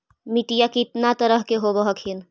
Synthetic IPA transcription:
miʈijakit̪nat̪əɾəɦkeɦobəɦəkʰin

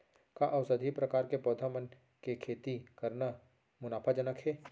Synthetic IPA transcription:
kaʔɐʊsəd̪ʱipɾɐkaːɾkepɔːd̪ʱamən | kekʰeːt̪ikɐɾna | mʊnaːpʰad͡ʒənəkʰɦɛː

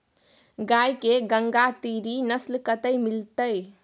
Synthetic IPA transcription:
ɡajkeɡəŋɡat̪iɾinəslkət̪əjmilt̪əj

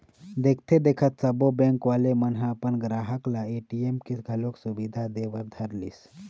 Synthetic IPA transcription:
d̪ekʰt̪ʰed̪ekʰət̪səbobẽŋkʋalemənɦaːpənɡɾaɦəklaeʈiemkiɡʱəloksubid̪ʱad̪eʋəɾd̪ʱəɾliːs

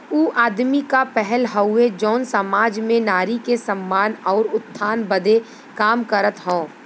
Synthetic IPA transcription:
uːʔaːd̪mikapɛɦɛlɦɐʊːed͡ʒɔːnsəmaːd͡ʒmẽnaːɾikesəmːaːnɔːɾʊt̪ʰːaːnbəd̪e | kaːmkəɾət̪ɦõː

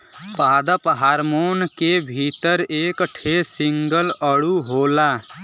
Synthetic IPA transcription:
paːd̪əpɦaːɾmoːnkebʱit̪əɾeːkʈʰesɪŋɡələɽuɦoːla

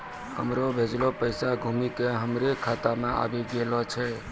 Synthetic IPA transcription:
hə̰mɾobʱed͡ʒlopəɪsaɡʱumikeɦəmɾekʰaːt̪amẽa̰ːbʱiɡelɔt͡ʃʰɛ

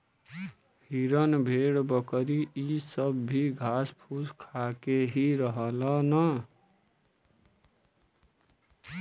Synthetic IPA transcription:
hiɾʌnbʱeɽbʌkɾiisʌbːiɡʱaspʰuskʰakeɦiɾʌɦʌlʌnʌ

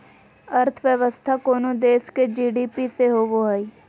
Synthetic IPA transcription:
əɾt̪ʰəʋjəʋəst̪ʰakoːnod̪eːsked͡ʒiːɖiːpiseɦoʋoɦəi

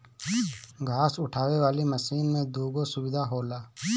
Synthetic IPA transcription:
ɡʱaːsʊʈʰaːwewaːliməsiːnmẽd̪uːɡosʊwɪd̪ʱaɦoːlaː

